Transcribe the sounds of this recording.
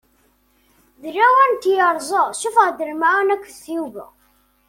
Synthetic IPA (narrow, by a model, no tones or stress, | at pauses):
ðəlæwænt̪ːjəɾˤzˤəʁʃufʁd̪əɾmaʕnækʷːsjuvə